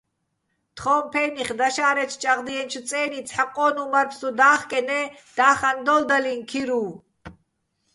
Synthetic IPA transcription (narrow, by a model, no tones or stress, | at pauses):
t̪ʰχɔːmpʰɛːniχd̪aʃaːɾɛt͡ʃʰt͡ʃʼaʁd̪iɛnt͡ʃʰut͡sʼɛːnit͡sʰħaqʼɔːnumaɾpʰsud̪aːχkʼɛnɛd̪̥aːχand̪ɔld̪alinkʰiɾuː